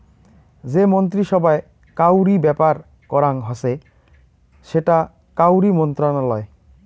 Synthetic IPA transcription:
d͡ʑemont̪̬ɾiʃɔbae | kawɾibɛpaɾ | kɔɾaŋɦɔse | ʃeʈa | kawɾimɔnt̪ɾanalɔe

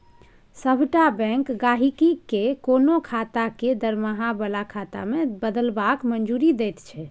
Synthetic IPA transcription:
səbʱʈabɛ̃ŋkɡaɦikikekonokʰat̪aked̪əɾmaɦabəlakʰat̪a̰mebəd̪əlbakmənd͡ʒuɾid̪ɛt̪t͡ʃʰɛ

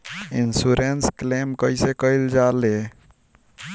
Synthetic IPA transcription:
insuɾensklemkəjsekəjld͡ʒale

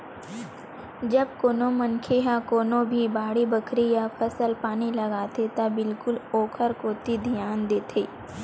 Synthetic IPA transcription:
d͡ʒɐb̚koːnomɐnkʰeɦãkoːnõbʱibaːɽibəkʰɾijapʰɐsəlpaːnilɐɡaːt̪et̪ɐbɪlkʊloːkʰəɾkoːt̪id̪ʱijaːnd̪eːt̪ʰeː

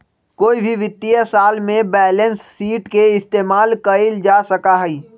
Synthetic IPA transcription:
koːibʱiʋɪt̪ːijəsaːlmẽbɛːlə̃nsːiːʈkeɪst̪eːmaːlkɐɪld͡ʒaːsəkaɦɛiː

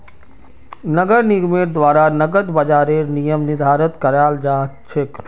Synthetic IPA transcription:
nəɡəɾniɡmeːʈ̚d̪ʋaːɾanɐɡət̪bɐd͡ʒaːɾenijəmnɪd̪ʱaːɾət̪kɐɾaːld͡ʒaːt͡ʃʰek

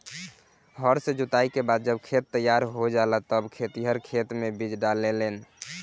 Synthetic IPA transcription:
ɦəɾsẽd͡ʒut̪aikebad̪̚d͡ʒəbkʰet̪ːəjaɾɦod͡ʒalat̪əbkʰet̪iɦəɾkʰet̪mebid͡ʒɖalːelen

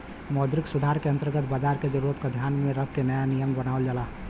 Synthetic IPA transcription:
mɔːd̪ɾɪksʊd̪ʱaɾkeə̃nt̪əɾɡət̪̚ʰbaːd͡ʒaːɾked͡ʒəɾuɾət̪kad̪ʱjaːnmẽɾəb̚kenəjanijəmbənaːʋəld͡ʒala

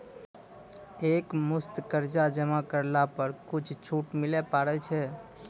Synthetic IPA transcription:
ekmust̪kəɾd͡ʒad͡ʒəmakəɾlapəɾkut͡ʃʰt͡ʃʰuʈmilɛpaɾɛt͡ʃʰɛ

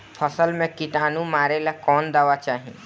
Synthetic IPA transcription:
pʰɐsəlmẽkɪʈaːnũmaːɾelakɔːnd̪aʋat͡ʃaːɦḭ̃

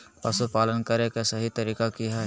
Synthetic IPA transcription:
pɐsupaːlənkɐɾekesɐɦit̪ɐɾiːkakiɦɛ

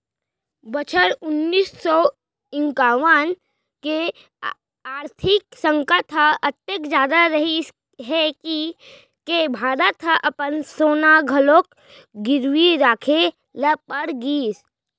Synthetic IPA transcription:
bət͡ʃʰəɾʊnːiːsːɔ | ɪ̃ŋkaːwən | ke | aːɾt̪ʰɪksə̃ŋkət̪ʰəɐt̪ːekd͡ʒjaːd̪aɾɐɦi | ɦɛki | kebʱaːɾət̪ʰʔɐpənsoːnaɡʱəloːk | ɡɪɾwiɾaːkʰe | ləpəɾɡiːs

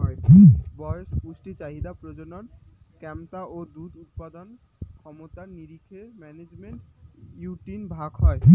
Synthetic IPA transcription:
ɔebɔɾeʃpuʃʈit͡ɕaɦid̪apɾod͡ʑononkɛmt̪aʔod̪ud̪ut̪̚pad̪on | kʰɔmot̪aɾniɾikʰemɛned͡ʑmeɳʈjuʈinbʱaɡɦɔe

